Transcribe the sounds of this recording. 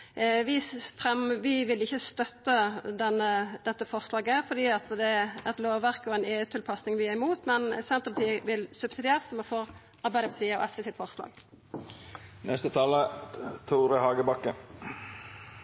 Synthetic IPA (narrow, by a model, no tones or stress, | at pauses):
ʋɪfʁɛmʋɪʋɪlɪçːəst̪œt̪ːəd̪ɛnːəd̪ɛt̪ːəfɔʁslɑːɡəfɔd̪iːɑt̪d̪ɛɛt̪loːʋʋæʁkɔɛnɛət̪ʰːɪlpʰɑsnɪŋʋɪæʁɪmuːt̪mɛnsɛnt̪əʁpɑt̪ʰiːəʋɪlsʉb̥sɪd̪ɪeːʁəsɔmɑnfoːʁ | ɑɾʁbæɪd̪əpʰɑt̪ʰiːəɔ̰ɛsʋɛsɪt̪fɔʁslɑ̰ːɡ | nɛst̪ət̪ʰɑːlət̪ʰuːɾəhɑːɡəbɑkːə